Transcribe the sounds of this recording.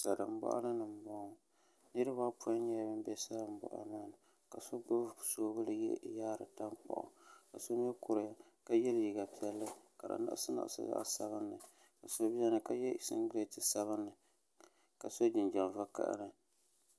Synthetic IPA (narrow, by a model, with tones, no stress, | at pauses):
sa˨dɨ˨m̩˦bɔ̰˦ʔa̰˦lɨ˦nɨ˨m˨˦bɔ˦ŋ | nɨ˦ɾɨ˦ba˦pu˦a˦ɲɛ˦ja˨bɨ˦m˦bɛ˦sa˦dɨ˨m̩˦bɔ̰˨ʔa̰˨maː˦nɨ˨ | ka˨so˦ɡ͡bʊ˦˨soː˦bɨ˦lɨ˦jɛ̰˦˨jaː˦ɾɨ̰˨ta˦ŋk͡pɔ̰˨ʔʊ̰˨ka˨so˦m˦ɛ˦kʊ˨ɾja˦ | ka˦jɛ˦lji˨ɡa˨pi˦ɛ˦lːɨ˦ka˨ɾa̰˨na̰˦ʔsɨ˦na̰˨ʔsɨ̰˦za̰˦ʔa̰˦sa̰˨bɨ˦nːɨ˨ | ka˨so˦bɛ˦nɨ˨ka˦jɛ˦˨sɪ̰˦ŋɡɾe˦tɨ˨sa˦βɨ˦nːɨ˨ | ka˨so˦d͡ʒɪ˨nd͡ʒa˨mva˦ka̰˦˨ʔa̰˦nɨ˨